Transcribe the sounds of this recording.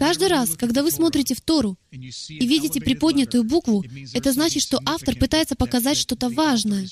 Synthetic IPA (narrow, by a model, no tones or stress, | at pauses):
kaʐd̪ɨɾaskɐɡd̪avɨsmo̞t̪ɾʲɪtʲɪft̪o̞ɾʊivʲidʲɪtʲɪpɾʲɪpo̞dʲnʲɪt̪ʊjʊbukvʊɛt̪əznat͡ɕɪt̪ʂt̪o̞ʔaft̪ərpɨt̪ajɪt̪səpəkɐzatʲʂt̪ot̪əvaʐnəjə